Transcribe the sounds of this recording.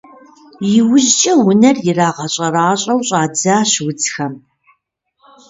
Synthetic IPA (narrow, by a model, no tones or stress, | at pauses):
jɪwʊʑt͡ʃʼɐwʊnɐrjɪraːʁɐɕʼɐraːɕʼɐwɕʼaːd͡zaːɕwʊd͡zxɐm